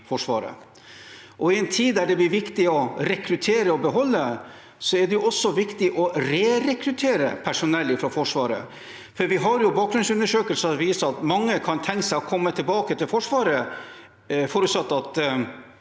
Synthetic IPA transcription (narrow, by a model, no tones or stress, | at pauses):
fɔʂʋɑ̰ːɾə̰ | ʔɔɪɛnt̪ʰiːd̪d̪æɖɛblɪɾʋɪkt̪ɪɔɾɛkɾʉt̪ʰeːɾəɔbəɦɔlːə | sɔæɖɛjʊɔsːɔʋɪkt̪ɪʔɔɾeːɾɛkɾʉt̪ʰeːɾə̰pʰæʂʊnɛlːɪfɾɔfɔʂʋɑːɾə̰ | fɔɾʋɪɦɑɾjʊbɑːkɡɾʉnsʉnːəʂøːkəlsəɑt̪ʋiːsəɑt̪mɑŋːəkʰɑnt̪ʰɛŋkəsæɪɔkʰɔmːət̪ʰɪlbɑːkət̪ʰɪlfɔʂʋɑːɾə | foːɾʉt̪sɑt̪ːɑt̪